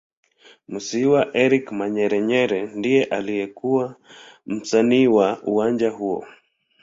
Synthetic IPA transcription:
musiwaʔɛɾikmaɲɛɾɛɲɛɾɛndijɛʔalijɛkuwam̩saniːwaʔuwaɲd͡ʒahuɔ̰

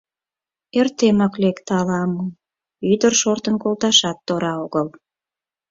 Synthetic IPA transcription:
ert̪emɑklekt̪ɑlɑmə | yd̪ərʃort̪ənkolt̪ɑʃɑt̪ːoɾɑoɣəl

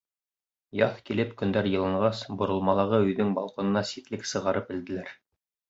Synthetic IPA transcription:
jɑθkilɘpkɵ̆nd̪æɾjɤ̆lˠɤɴʁɑsbŏɾɤ̆lˠmɑlˠɤ̆ʁɤɵ̆jðɵŋbɑ̰lˠqŏnɤ̆nɑsit̪lɘksɤ̆ʁɑɾɤpɘ̆ld̪ɘ̆læɾ

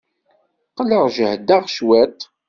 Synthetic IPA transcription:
qələʁʒəhd̪æʁʃwæt̪

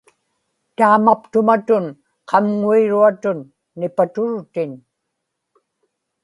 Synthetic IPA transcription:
t̪aːmapt̪ʊmat̪ʊn | qʰɑmŋuiɻuat̪ʊnː | ɪpat̪ʊɻt̪ɪn

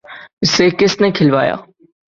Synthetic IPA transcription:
ʊsekɪsnekʰɪlʋaːja̰ː

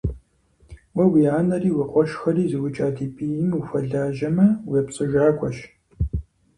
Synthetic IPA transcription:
wɐwiaːnɐriːwɐqʷʼɔʃxɐriːzɨwʊt͡ʃʼaːdiːpʼijɪmufɐɮaːʒɐmɐwɛpt͡sʼɨʒaːkʷʰʼɔʃ

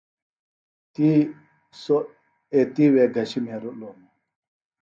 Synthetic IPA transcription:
t̪i | so | et̪iweɡɐɕimeɾolomu

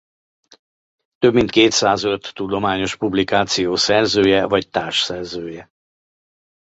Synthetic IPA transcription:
t̪øbmint̪keːt̪saːzøt̪ːud̪o̞maːɲo̞ʃpublikaːt̪sijoːsɛrzøːjɛvɒct̪aːrʃsɛrzøːjɛ

